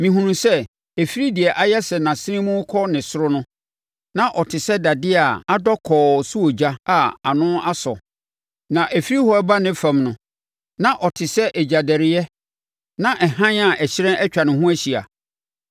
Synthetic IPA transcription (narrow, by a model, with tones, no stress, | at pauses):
mĩ˨ɦũ˨nũ˨sɛ˦ | æ˨fi˦ɾi˦dɪ˨ɛ˨ʔa˦jɛ˦sɛ˨nã˨sɪ˦ɪ̃˦mũ˦kʰɔ˦nɪ̃˨sʊ˦ɾʊ˦nʊ̃˦ | nã˦ʔɔ˨tʰɪ˨sɛ˦da˨dɪ˦a˨a˦dɔ˦kʰɔː˨su˦ɔ˨d͡ʑa˦a˨a˨nʊ̃˦a˦sɔ̰˨ | nã˨ʔæ˨fi˦ɾi˦hɔ˦ba˦nɪ̃˦fã˨mnʊ̃˨ | nã˦ʔɔ˨tʰɪ˨sɛ˦ʔɛ˨d͡ʑa˨dɛ˨ɾɪ˨jɛ˦ | nã˦ʔɛ˨hã˦n˦a˦˨ʔɛ˨ɕɪ˦ɾɛ̃˦ɛ˦t͡ɕᶣa˨nɪ̃˨ɦʊ̃˦æ˦ɕi˨a̰˨